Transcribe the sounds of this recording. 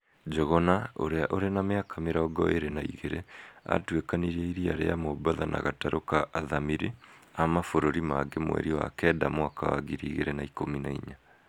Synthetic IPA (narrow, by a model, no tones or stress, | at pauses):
d͡ʒɔɣɔnao̰ɾeaʔoɾenameakʰameɾaɔɡɔ̰eɾenaḭɣeɾea̰twekaniɾɛiɾiaɾeamobaðana̰ɣataɾʔokaʔːðamiɾeamafoɾoɾimaɡemwɛ̰ɾiwa̰kɛːdamwakawaɣiɾiːɣeɾenaikominaiɲa